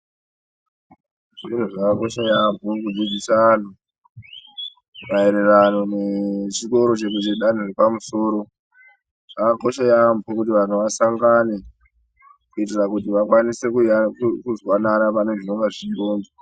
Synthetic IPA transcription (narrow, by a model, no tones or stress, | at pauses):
ʐin̤uʐakako̞ʃajambʱokud͡zid͡zisaanu | maeɾeranonet͡ʃiko̞ɾo̞t͡ʃekut͡ʃeɗan̤oripamuso̞ːɾo̞ | ʐ̥akako̞ʃajambʱokutiʋan̤uʋasaŋɡane̞ | kuitirakutiʋakwanise̞kkuzwananapaneʐinoŋɡaʐiroːndo